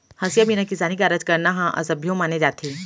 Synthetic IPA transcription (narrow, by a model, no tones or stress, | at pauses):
hɐsjaminakizaːnikaːɾəd͡ʒkɐɾnaɦãʔɐ̰sɐbʱjõmaːned͡ʒaːt̪ʰiː